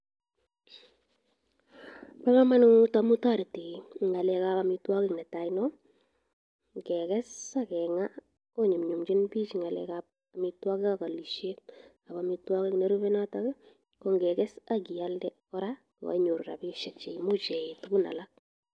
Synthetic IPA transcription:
pa˦ka˦ma˦nutamu˦ta˦ɾi˨ti˨ŋa˨lɛ˦kapamitwa˦kɪ˨knɛ˨tainɔ | ŋkɛkɛsakɛŋa˦ | ko˦ɲu˨mɲu˨mt͡ʃɪ˦npi˦t͡ʃiŋa˨lɛ̰kap̚ | amitwa˦kɪ˦ka˨ka˨li˨ʃe˦ | a˨bamitwa˦kɪ˦kne˦ɾu˦βɛ˦na˦takɛ | kɔ˦ŋɡɛkɛsaɡi˨jaldɛ | ɔ˦ɾa˨ | a̰˦ɲo˨ɾɾa̰˨pi˦ʃɛ˨t͡ʃe˨mu˦t͡ʃɛ˨ɪtku˦na̰˨lak̚

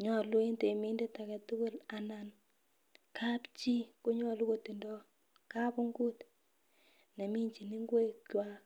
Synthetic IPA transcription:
ɲɔ˦˨lu˦e˦nte˨mi˦nde˦ta˨kɛ˨tʊ˦kʊ˦la˨na˨n | kʰa˦pt͡ʃi˦ko˦ɲɔ˦lu˦ko˨ti˨ndɔ˦ | ka˦bʊ˦ŋɡu˦t | nɛ˨mi˦ɲt͡ʃi˨ni˦ŋɡwe˦twa˦

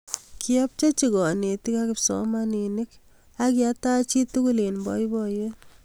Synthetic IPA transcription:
kʰi˦ɔ˦p̚t͡ʃe˦t͡ʃi˨kɔ˨ne˨ti˦kakɪpsɔ̰˦ma˦ni˨ni˦k | a˦kia˦ta˦t͡ʃi˦tu˦kule˨nbɔ̰˦i˦bɔje

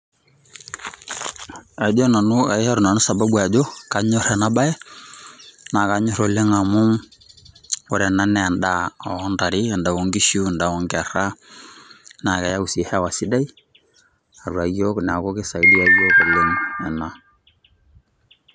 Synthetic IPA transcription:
a˨do˦na˨nu˦a˨ɪ˦ha˦ɾu˨na˨nu˦sa˨ba˦ba˨d͡ʒo˦ka˦ɲɔ˦ɾɛ˨na˦ba˦ɛ˦ | na˨ka˨ɲo˦ɾo˨le˦ŋa˨mʊ˦ŋ | wɔ˨ɾɛ˨na˦nɛ˨a˨nda˦˨ɔ˦nda˨ɾi˦a˨nda˨wo˨ŋɡi˦ʃu˦˨nda˨wɔ˦ŋɡa˨ɾa˦ | na˨ka˨ja˦u˨si˨hɛ˦˨wa˨si˦da˦i˦ | a˨ɾu˨a˨jo˦kn˨a˨ko˦ke˦sa˨i˦di˦a˦jo˦ko˨le˦ŋɛ˨na˨

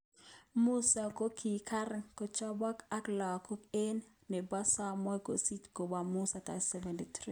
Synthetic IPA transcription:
mu˦sa˨ko˦kʰi˨kʰa˦ɾŋko˨t͡ʃɔ˦bɔ˦ka˦klɔ˨ko˦ke˦n | ne˨ba˦sa˦mɔ˦jko̰˨si˦tko˨ba˨mu˦sa˨t̪a̰˨sɛ˦vɛ˨nti˨t̪ɾi˦

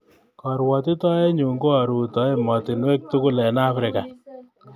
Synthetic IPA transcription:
kɔ˨ɾwɔ˨t̬ɪ˦tɔ˦e˦ɲu˨ŋɡo˦a˨ɾu˨tɔ˨˦e˦mɔ˨tɪ˨nwe˦k̚tu˦kʊ˦lɛ˨na˦fɾɪ˨ka˨

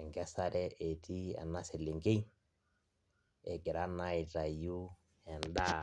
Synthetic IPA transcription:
ɛ˨ŋɡɛ˦sa˦ɾɛ˦ʔe˨ti˦a̰˨na˦sɪ˨lɪ˨ŋɡe˦ | ɛ˨ɡɛ˨ɾa˦na˦i˨ɾa˨ju˦ | ɛ˨nda˦

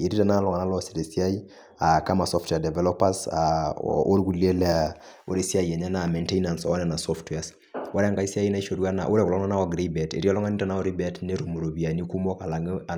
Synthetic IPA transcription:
e˨ɾi˦ta˨na˦lɔ˨ŋa˨na˦lɔ˦si˨ɾe˨si˦a˦i˦ | a˨ka˦ma˨sɔ˦ftwɛ˨dɛ˨vɛ˦lɔpa˦sao̰˦ɾɡu˨le˦lɛa | o̰˦ɾe˦si˦a˦iɛ˨ɲɛ˦na˨me˨nte˦ina˨nsɔ˨ɔ˦nɛ˦na˨sɔ˦ftwɛ˨as | wa˦ɾɛ˦a˦ŋɡa˨i˦si˦a˦i˦na˦i˦ʃo˨ɾwa˦na̰˨ʔo˦ɾɛ˦klɔ˦ŋna˦na˦wɔ˨ɡɾibɛ˨tḛ˨ɾi˦ɔ˦lɔ˦ŋa˦ni˦ta˨na˦o˦ɾi˦bɛ˦tne˦ɾo˨mo˨ɾo˨bi˨a˨ni˦ku˦mɔ˦ka˨la˨ŋa

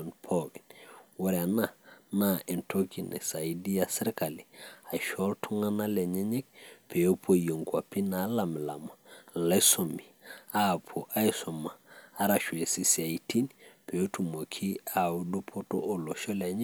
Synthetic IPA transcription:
npʰɔ˦ki˨nwɔ˦ɾa˨na˦˨na˦˨i˨nto˦ki˨nʔɛ̰˨sa˨i˦di˦a˨si˦ɾka˨li˨a˨ʃɔ˦ltʰu˦ŋa˦na˦lɛ˨ɲɛ˦ɲɛ˦k̚pʰe˨o˦pʰo˦˨jo˨ŋkwa˨pi˦na˨˦la˨m˨la̰˨ma˨la˦so˨mi˨a˦˨pʰo˨ʔa˦i˦sɔ˨maː˨˦ɾa˨ʃwe˨si˨si˨a˨i˨ti˦npe˨o˦tu˨mo˨kʰi˦a˨u˦du˦pʰo˦to̰˦ʔo˨lo˨ʃɔ˦lɛ˨ɲɛ˦

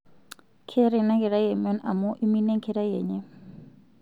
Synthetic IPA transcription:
kʰe˦ɾɛ˨na˦ɣɛ˨ɾa˦je˨mɔ˦na̰˨mɔ˦ʔi˦mi˦nɛ˦ŋkʰeɾa˦je˨ɲɛ˦

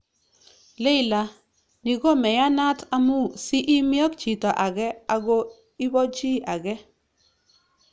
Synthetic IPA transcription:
lɪ˦˨la˨ | ni˨ɡɔ˦mɛ˨ja˦na˦ta˦mu˦˨si˦ʔi˦mjɔ˦kt͡ʃi˨tɔ˨ʔa˨ɡɛ˦a˨ɡo˦ | i˦bɔ˦t͡ʃi˦ʔa˨ɡɛ˦

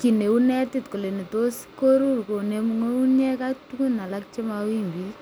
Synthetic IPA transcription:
kine˨unɛ˦titko˨le˨ne˨tosko˦ɾu˦rko˨nemuŋo˦u˦njɛ˦kaktukuna˨lak̚t͡ʃe˦mawi˦mbi

